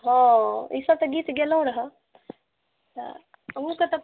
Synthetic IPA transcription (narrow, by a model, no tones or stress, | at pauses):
ɦõḭsəb̚t̪əɡiːt̪ɡelɦũɾəɦə | t̪ə̰ | ũkət̪ɐ